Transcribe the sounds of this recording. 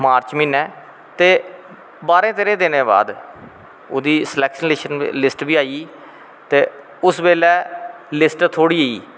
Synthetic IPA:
maːɾt͡ʃmĩːnɛː | t̪eː | baːɾẽːt̪eɾẽːd̪ɪnẽːba̰ːd̪ | o̰ːd̪iːslɛːkʃənlɪʃənlɪsʈʋiːaːiː | t̪eː | ʊsbeːlɛː | lɪsʈt̪ʰoːɽiːəːḭː

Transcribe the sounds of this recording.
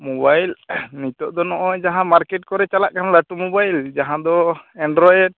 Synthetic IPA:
mɔbajlnit̪ɔʔd̪ɔnɔʔɔd͡ʒaɦãmaɾkɛʈ̚kɔɾɛt͡ʃalaʔkanlaʈumubajld͡ʒaɦãd̪ɔɛɳɖɾɔjɛɖ̚

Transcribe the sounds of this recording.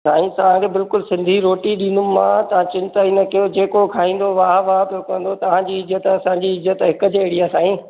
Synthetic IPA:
saːĩt̪ɐʋ̤ãkʰeːbɪlkʊlsɪ̃nd̪ʱiɾoːʈiɗĩːnd̪ʊmãt̪ɐʋ̤ãt͡ɕɪ̃nt̪aːinɐkijod͡ʑeːkokʰaːɦĩːn̆d̪oʋaːɦʋaːɦpijokɐ̃n̆d̪ot̪ɐʋ̤ãɲd͡ʑiɪzət̪ɐsãɲd͡ʑiɪzət̪ɦɪkəd͡ʑeɽiaːsaːĩː

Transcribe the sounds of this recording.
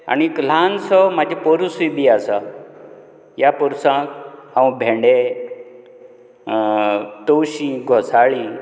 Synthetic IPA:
a̰nikl̤ansɔmad͡ʑʱipɔɾusuibiasa | japɔɾusãkhãwũbʱẽɳɖe | t̪owɕĩɡʱɔsaɭi

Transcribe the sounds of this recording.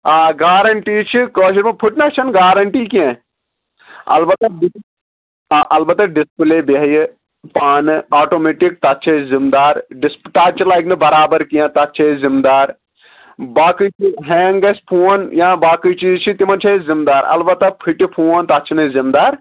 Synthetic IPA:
aːɡaːɾɐɳʈiːt͡ʃʰikoːʃɐɾmɐ̃pʰuʈnɐkt͡ʃʰɐnɡaːɾɐɳʈiːkiẽ | ɐ̰lbɐt̪ɐɖi | ʔɐlbɐt̪ɐɖispɨleːbɐɦɐj | paːnɨaːʈoːmeːʈik̚t̪ɐt̪ːt͡ʃʰɐzimd̪aːɾɖɪspʈaːt͡ʃʰilajknɨbɐɾaːbɐɾkiãt̪ɐt̪ːt͡ʃʰɐzimd̪aːɾ | baːkit͡ʃʰiɦɛ̃ːŋɡɐspʰuːɐnjãːbaːkit͡ʃiːzt͡ʃʰit̪imɐnt͡ʃʰɐzimd̪aːɾɐ̰lbɐt̪ɐpʰiʈipʰuːɐnt̪ɐtːt͡ʃʰinɨzimd̪aːɾ

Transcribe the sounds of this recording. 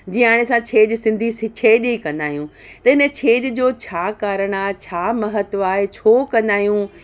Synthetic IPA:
d͡ʑiːaːɽ̃esãt͡ɕʰeːd͡ʑsɪ̃nd̪ʱisɪt͡ɕʰeːʄikɐ̃nd̪aːɦijũ | t̪ɐɪnə̆t͡ɕʰeːd͡ʑd͡ʑoːt͡ɕʰaːkaːɾəɽ̃aːɦet͡ɕʰaːmɐɦət̪ʋaːɦet͡ɕʰoːkɐ̃nd̪aːɦjũ

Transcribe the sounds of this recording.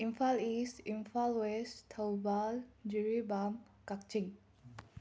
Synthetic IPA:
ĩmfalisinfalwestʰawbald͡ʒuɹibam | kak̚t͡ʃĩŋ

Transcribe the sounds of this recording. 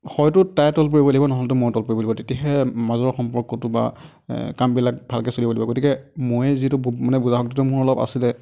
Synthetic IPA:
xɔjtʊtajtɔlp̬uɹibɔlaɡibɔnɔɦɔltʊmojtɔlpoɹibɔlibɔtetiaɦɛmazɔɹxɔmpɔɹkɔtʊba̰ | kambilak̚bʱalkɛsolibolibɔɡotikɛmojɛzitʊbmanɛbuzaɦɔk̚titʊmʊɹɔlɔba̰silɛ

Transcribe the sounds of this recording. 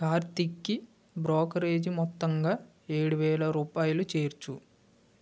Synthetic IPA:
kaːɾt̪ikːi | bɾɔːkɐɾeːd͡ʒimɔt̪ːɐŋɡaː | eːɽuʋɛːɭɐɾuːpaːjɐlut͡ʃeːɾt͡ʃu

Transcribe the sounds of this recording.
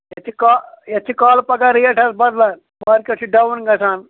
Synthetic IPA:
jɐt̪ʰikaːjɐt͡ʃ̪ʰikaːlpɐɡaɾijɐʈʰɐsbɐd̪lɐn | mɐɾkɐʈʰiɖɐwunɡɐsaːn

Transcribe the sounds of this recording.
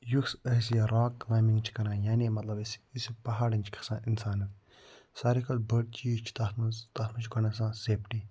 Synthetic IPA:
juksɐɦs̬jaɾaːklaːmĩŋɡt͡ʃʰi̥kɐɾãːjaːnimɐt̪lɐbsisipɐɦaːɽɐ̃nt͡ʃʰi̥kʰɐ̥sãːʔinsaːnɨ | saːɾikʰɐlbəʈ̚t͡ʃiːt͡ʃʰi̥t̪at̪t̪at̪mɐ̃t͡ʃʰkɐnɐsãːseːpʈiː

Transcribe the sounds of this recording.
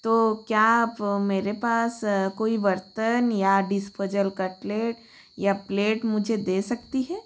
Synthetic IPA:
t̪oːkjaːbmeːɾepaːskoːiʋɐɾt̪ənjaɖɪspoːd͡ʒəlkɐʈleːʈ | japleːʈmʊd͡ʒʱed̪eːsɐkt̪iɦɛː

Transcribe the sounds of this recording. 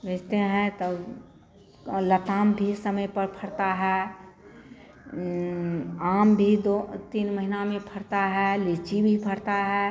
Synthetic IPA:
bʱed͡ʒt̪eɦɛ̃t̪ə | lət̪aːmbʱisəməjpəɾpʰəɾt̪aɦɛ | aːmbʱid̪ot̪iːnməɦinamẽpʰəɾt̪aɦɛlet͡ʃibʱipʰəɾt̪aɦɛ

